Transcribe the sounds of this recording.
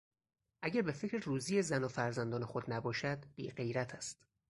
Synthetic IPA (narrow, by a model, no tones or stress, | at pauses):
ʔæɟæɾbe̞fecɾeruːzijezænɒfæɾzænd̪ɒːne̞xod̪næbɒːʃæd̪̥b̥ḭːɢe̞jɾæt̪ʰæst̪